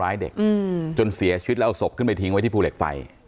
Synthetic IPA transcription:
aː˦˥jdḛ˨˩k̚ːt͡ɕo˧nsi˨˩˦ɐt͡ɕʰɯ˦˥lɛ˦˥ʔwso˨˩p̚kʰɯ˥˩mpa˧jt̪ʰi˦ŋwa˦jt̪ʰiː˥˩pʰuː˧le˨˩k̚fa̰˧j

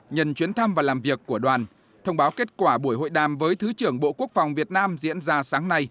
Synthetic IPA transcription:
ɲə˨˩nt͡ɕwi˨˦nt̪ʰa˧mvaː˨˩laː˨˩mvi˨˩əkːu˧˩əɗwaː˨˩n | t̪ʰə˧wŋ͡mɓaː˨˦wke˦˥t̚kwaː˧˩ɓu˧˩əjɦo̰˧˨jɗaː˨˩mvəː˨˦jt̪ʰɨ˨˦t͡ɕɨ˧˩əŋɓo̰˧˨ku˦˥ək̚fa˨˩wŋ͡mvi˨˩ət̚naː˧mzḭ˧˥ənzaː˧saː˨˦ŋna˧j

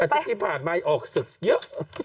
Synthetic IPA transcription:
a˨˩t̪a˦˧˥t̪ʰiː˦˥˩pʰaː˨˩nmaː˧jʔɔː˨˩k̚sɯ˨˩k̚jɤ˦˥ʔ

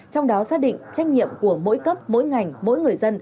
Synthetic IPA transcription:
t͡ɕɔ˧wŋ͡mɗɔ˨˦saː˦˥ɗḭ̈˧˨ŋ̟t͡ɕa˧˦jk̟̚ɲḭ˧˨əmku˧˩əmo̰˧˥jkə˦˥p̚mo̰˧˥jŋa˨˩jŋ̟mo̰˧˥jŋɨ˨˩əjzə˧n

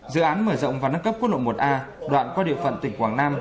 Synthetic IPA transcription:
zɨ̰˧˨ʔaː˨˦nməː˧˩zɔ̰˧˨wŋ͡mvaː˨˩naː˧ŋkə˦˥p̚knlo̰˧˨jmo˨˩t̚ʔaː˧ | ɗwa̰ː˧˨nkɔ˨˧˦ɗḭ˧˨əfə̰˧˨nt̪ï˧˩ŋ̟kwaː˧˩ŋnaː˧m

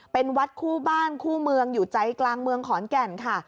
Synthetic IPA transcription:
pe˧nwa˦˥t̪̚kʰuː˥˩baː˥˩nkʰuː˥˩mɯ˧əŋjuː˨˩t͡ɕa˧jklaː˧ŋmɯ˧əŋkʰɔː˩˦nkɛ˨˩nkʰa˥˩

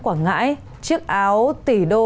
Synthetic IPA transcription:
kwaː˧˩ŋa̰ː˧˥j | t͡ɕɨ˦˥ək̚ʔaː˨˦wt̪i˧˩ɗo˧

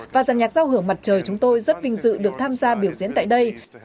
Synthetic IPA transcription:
vaː˨˩zaː˨˩nɲaː˨˩t̚zaː˧wɦɨ˧˩əŋma˨˩t̚t͡ɕəː˨˩jt͡ɕʊ˨˦ŋ͡mt̪o˧jzə˦˥t̚vï˨˩ŋ̟zɨ̰˧˨ɗɨ˨˩ək̚t̪ʰaː˧mzaː˧ɓi˧˩əwzḭ˧˥nt̪ːjɗə˧j

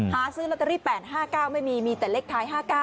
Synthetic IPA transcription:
haː˩˦sɯː˦˥lo˦˥t̪̚ːa˧ɾiː˦˥˩pɛː˨˩t̪̚ɦaː˥˩kaː˥˩wma˥˩jmiː˧miː˧t̪ɛː˨˩le˦˥k̚t̪ʰaː˦˥jɦaː˥˩kaː˥˩

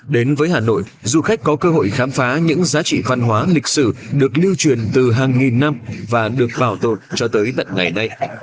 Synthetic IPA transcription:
ɗe˨˦nvəː˨˦jhaː˨˩no̰˧˨jʔzu˨˩xa˦˥jk̟̚kːɔ˨˦kəː˧ɦo̰˧˨jxaː˨˦mfaː˨˦ɲɨ̰˧˥ŋzaː˨˦t͡ɕḭ˧˨va˧nɦwaː˨˦lï˨˩k̟̚sɨ̰˧˨ɗɨ˨˩ək̚li˧wt͡ɕwi˨˩ənt̪ɨ˨˩ɦaː˨˩ŋŋi˨˩nːa˧mvaː˨˩ɗɨ˨˩ək̚ɓaː˨˩wt̪o˨˩nt͡ɕɔ˧t̪əː˨˦jt̪ə̰˧˨nŋa˨˩jna˧j

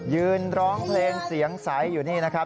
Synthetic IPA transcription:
jɯː˧nɾɔː˦˥ŋpʰleː˧ŋsi˩˦əŋsa˩˦jːuː˨˩niː˥˩na˦˥kʰa˦˥

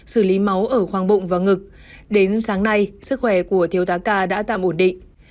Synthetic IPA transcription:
sɨ˧˩li˨˦ma˨˦wʔəː˧˩xwaː˧˩ŋɓʊ̰˧˨ŋ͡mvaː˨˩ŋɨ˨˩k̚ | ɗe˨˦nsaː˨˦ŋna˧jsɨ˦˥k̚xwɛ˧˩ku˧˩ət̪ʰi˨˦əwt̪aː˨˦kaː˧ɗa̰ː˧˥t̪a̰ː˧˨mʔo˧˩nɗḭ˧˨ŋ̟

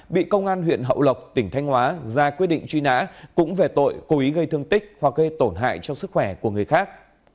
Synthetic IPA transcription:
ɓḭ˧˨kə˧wŋ͡mʔaː˧nwḭ˧˨ənɦə̰˧˨wlə˨˩wk͡p̚t̪ï˧˩ŋ̟t̪ʰa˧jŋ̟hwaː˨˦zaː˧kwi˦˥ɗḭ˧˨ŋ̟t͡ɕwi˧na̰ː˧˥kʊ̰˧˥ŋ͡mve˨˩t̪o̰˧˨jko˨˦ʔi˨˦ɣə˧jt̪ɨ˧əŋt̪ï˦˥k̚hwa˨˩k̚ɣə˧jt̪o˧˩nɦa̰ː˧˨jt͡ɕɔ˧ŋ͡msɨ˦˥k̚xwɛ˧˩ku˧˩əŋɨ˨˩əjxaː˦˥k̚

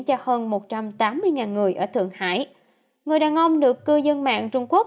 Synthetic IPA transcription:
t͡ɕɔ˧həː˧nmo˨˩t̚t͡ɕa˧mt̪aː˨˦mːɨ˧əjŋaː˨˩nŋɨ˨˩əjʔəː˧˩t̪ʰɨ̰˧˨əŋha̰ː˧˥j | ŋɨ˨˩əjɗaː˨˩ŋʔə˧wŋ͡mɗɨ˨˩əkːɨ˧zə˧nma̰ː˧˨ŋt͡ɕʊ˧ŋ͡mku˦˥ək̚

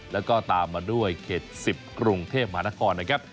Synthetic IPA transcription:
lɛ˦˥wkɔː˥˩t̪aː˧mːaː˧du˥˩əjkʰeː˨˩t̪̚si˨˩p̚kɾu˧ŋt̪ʰeː˥˩p̚ma˧haː˦na˦˥kʰɔː˧nːa˦˥kʰa˦˥p̚

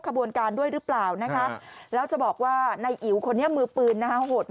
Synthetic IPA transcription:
kʰa˧bu˧ənkaː˧ndu˥˩əjɾɯ˦˥plaː˨˩wna˦˥kʰa˦˥lɛː˦˥wt͡ɕa˨˩bɔː˨˩k̚waː˥˩na˧jʔi˨˩˦wkʰo˧nːi˦˥əmɯː˧pɯː˧nːa˦˥kʰa˦˥hoː˨˩t̪̚m

